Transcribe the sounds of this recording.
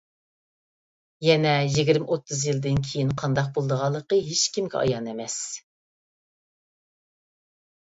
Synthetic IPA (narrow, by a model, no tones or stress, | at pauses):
jɛnɛjiɡʲiɾmʔot̪ʰːɨzjɨlˠd̪ɨnkʲʰejinqʰɑnd̪ɑq̚bolˠd̪əʁɑlˠːəqəɦet͡ʃkʲʰimɡʲɛ̰ʔɑ̰jɑnemɛs